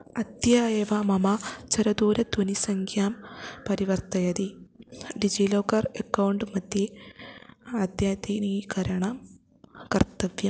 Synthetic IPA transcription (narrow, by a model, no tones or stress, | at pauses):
ɐd̪jaːjeʋaːmɐmat͡ɕɐɾɐd̪uːɾɐd̪unisɐŋkʰjaːmpɐɾiʋɐrt̪ɐjɐd̪iɖid͡ʑiloːkɐrɐkːɐwɳɖɨmɐd̪je | ɐd̪jaːt̪inikɐɾɐɳɐm | kɐrt̪ɐʋjɐm